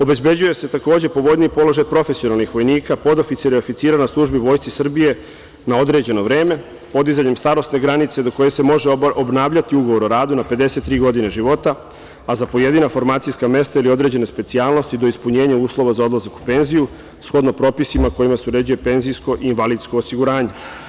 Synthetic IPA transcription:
o̞be̞zbe̞d͡ʑuje̞se̞t̪ako̞ːd͡ʑe̞po̞ʋo̞d̪niːpo̞lˠo̞ʒajpɾo̞fesio̞nalˠnixʋo̞jniːkapo̞d̪ofit̪siɾiofit̪siːɾanaslˠuʒbiʋo̞ːjst̪isr̩bije̞ | nao̞d̪ɾe̞d͡ʑe̞no̞ʋɾe̞ːme̞ | po̞d̪izaɲe̞mst̪aːɾo̞st̪ne̞ɡɾanit̪se̞d̪o̞ko̞je̞se̞mo̞ʒeobnaːʋʎat̪iuɡo̞ʋo̞ɾoɾaːd̪unape̞d̪e̞se̞t̪ːɾiːɡo̞d̪ine̞ʒiʋo̞t̪a | azapo̞je̞d̪inafo̞ɾmaːt̪sijskame̞st̪ailio̞d̪ɾe̞ːd͡ʑe̞ne̞spe̞t̪siaːlˠno̞st̪id̪o̞ispuɲe̞ːɲauːslˠo̞ʋazao̞d̪lˠazaku̥pe̞nziju | sxo̞d̪no̞pɾo̞pisimako̞jimaseuɾed͡ʒuje̞pe̞nzijsko̞ʔiːnʋaliːd̪sko̞ːsiɡuɾaːɲe̞

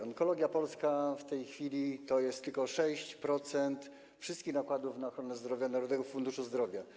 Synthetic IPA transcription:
ɔŋkɔlɔɡʲjapɔlskaft̪ɛjxfʲilʲit̪ɔjɛst̪ːɘlkɔʂɛɕt͡ɕpɾɔt̪sɛnt̪ | fʂɘst̪kʲixnakwad̪ufnaɔxɾɔnɛzd̪ɾɔvʲjanaɾud̪ɛɡɔfund̪uʂuzd̪ɾɔvʲja

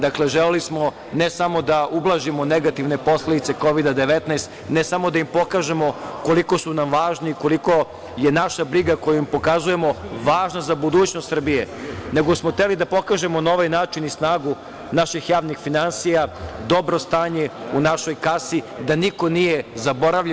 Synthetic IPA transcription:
d̪akle̞ʒelelismo̞ | nesamo̞d̪aʔublˠaʒimo̞neɡat̪iʋne̞po̞sle̞d̪it̪se̞ko̞ʋid̪ad̪e̞ʋet̪nast̪nesamo̞d̪aimpo̞kaːʒe̞mo̞ko̞liko̞sunamʋaːʒniːko̞liko̞ | jenaʃabɾiɡako̞juimpo̞kazuje̞mo̞ʋaːʒnazabud̪uːt͡ɕnost̪r̩bijeneɡo̞smoxt̪elid̪apo̞kaːʒe̞monaoʋajnaːt͡ʃinisnaːɡu | naʃixjaːʋnixfinansijad̪o̞bɾo̞st̪aːɲeunaʃo̞jkasid̪aniko̞nijezaboɾaʋʎ

